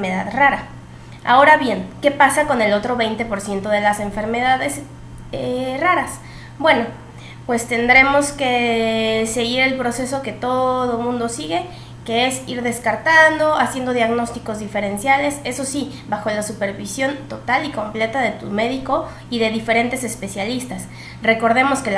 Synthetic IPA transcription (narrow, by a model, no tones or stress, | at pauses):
eðaðraɾa | a̰o̞ɾaβje̞nke̞pasako̞ne̞lo̞t̪ɾo̞βe̞jnt̪e̞po̞ɾsje̞nt̪o̞ðe̞lase̞ɱfe̞ɾme̞ðaðe̞s | eraɾas | bwe̞no̞ | pwe̞st̪e̞nd̪ɾe̞mo̞ske̞ | se̞ɣiɾe̞lpɾo̞se̞so̞ke̞t̪o̞ðo̞mũnd̪o̞siɣe̞ | ke̞e̞siɾðe̞skaɾt̪and̪o̞asje̞nd̪o̞ðjaɣno̞st̪iko̞zðife̞ɾe̞nsjale̞se̞so̞si | βaxo̞lasupe̞ɾβisjo̞nt̪o̞t̪aliko̞mple̞t̪aðe̞t̪ume̞ðiko̞ | iðe̞ðife̞ɾe̞nt̪e̞se̞spe̞sjalist̪as | re̞ko̞ɾðe̞mo̞ske